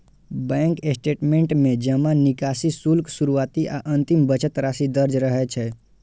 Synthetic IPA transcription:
bɛ̃ŋkesʈeʈmẽɳʈmẽd͡ʒəmãnɪkasisulksuɾuʋaːt̪iʔa̰ʔə̃nt̪imbət͡ʃət̪ɾasid̪əɾd͡ʒɾəɦɛt͡ʃʰɛ

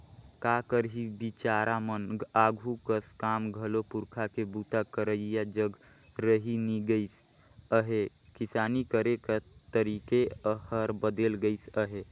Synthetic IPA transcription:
kakəɾɦibit͡ʃaɾamənɡaɡʱukəskamɡʱəlopuɾkʰakebut̪akəɾəjad͡ʒəɡ | ɾəɦiniɡəɪs | əɦe | kisanikəɾekat̪əɾikeəhəɾbəd̪elɡəɪsəɦe

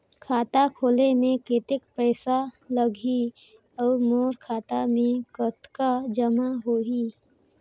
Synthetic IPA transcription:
kʰaːt̪akʰoːlemẽkeːt̪ɪkpəɪsaləɡʱi | ɔːɾmoːɾkʰaːt̪amẽkət̪kad͡ʒəmaɦoːi

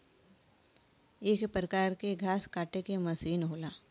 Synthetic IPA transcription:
eːkpɾəkaːɾkeɡʱaːskaːʈekemɐsiːnɦoːlaː

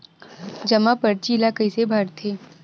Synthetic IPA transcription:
d͡ʒɐmapɐɾt͡ʃiːlakəisebʱaɾt̪ʰeː

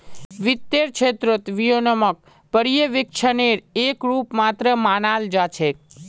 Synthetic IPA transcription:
ʋɪt̪ːeɾt͡ʃʰet̪ɾot̪ʋijonəmək̚ | pəɾijəʋɪkt͡ʃʰəneɾekɾupmat̪ɾəmanald͡ʒat͡ʃʰek̚

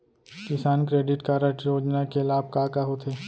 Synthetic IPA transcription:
kɪsaːnkɾeːɖɪʈkaːɾəʈjoːd͡ʒnakelaːb̚kaːkaɦot̪ʰeː

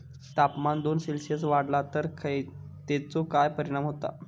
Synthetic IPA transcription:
sʈ̪apmand̪onselsjəsʋaɽlat̪əɾkʰəj | t̪et͡sokajpəɾiɽ̃amɦot̪a̰

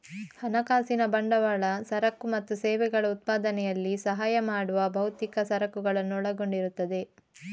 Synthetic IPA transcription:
hɐnɐkaːsinɐbɐɳɖɐʋɐɭɐsɐɾɐkːumɐt̪ːusɛːʋɛɡɐɭɐut̪̚paːd̪ɐnɛjɐlːisɐɦaːjɐmaːɽuʋɐbʱɐwut̪ikɐsɐɾɐkuɡɐɭɐnːuɔɭɐɡo̞ɳɖiɾut̪ːɐd̪e̞

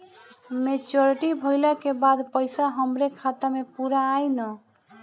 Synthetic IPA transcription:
met͡ʃoɾiʈibʱəjlakebad̪pəjsaɦəmɾekʰat̪amepuɾaːjnə

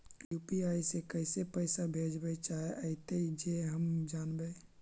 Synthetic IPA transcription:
jupiajsekəɪsepəɪsabʱed͡ʒbɛt͡ʃaɦeʔəɪt̪ed͡ʒeɦəmd͡ʒanbɛ

